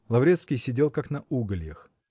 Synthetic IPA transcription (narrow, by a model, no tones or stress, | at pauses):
lˠɐvɾʲet̪skʲɪjsʲɪdʲelˠkaknɐʔuɡəlʲjə̰x